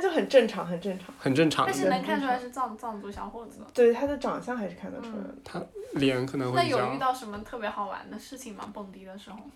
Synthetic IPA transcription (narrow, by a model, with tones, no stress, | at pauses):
t͡ɕo˥˩ʊxə˨˩nʈ͡ʂə˥˩ŋʈ͡ʂʰɑ˧˥ŋxə˨˩nʈ͡ʂə˥˩ŋʈ͡ʂʰɑ˧˦ŋxə˨˩nʈ͡ʂɤ˥˩ŋʈ͡ʂʰɑ̰˧˥˦ʂ̩˥na˧˥kʰa˥˧nʈ͡ʂʰu˥la˧˥ɪʂɻ̩˥˧t͡sɑ˥˧ŋt͡sɑ˥˧ŋt͡swɔ˥˩ɕjɑ˧˥ʊxwɔ˥˩t͡sɹ̩˨˧˩d̪ət̪we˥˩ɪt̪ʰa˥d̪ə˨ʈ͡ʂɑ˨˩ŋɕjɑ˥˩ŋxa˧˥ʂɻ̩˥˩kʰa˥˩np̪ə˨˩ʈ͡ʂʰu˥la̰˧ɪdət̪ʰa˥ljɛ˧˥nkʰɤ˨˩nɤ˧˥ŋwna˥˩˥jo˨˩˥ʊ˥y˥˧t̪ɑ˥˩ʊʂə˧˥nmə˧t̪ʰɤ˥˩pjɛ˧˥xɑ˨˩ʊwa̰˧˥nd̪ə˧ʂɻ̩˥˩t͡ɕʰi˨˩ŋma̰˧˥pɤ˥˩ŋt̪i˥d̪ə˧ʂɻ̩˧˥xo˧ʊ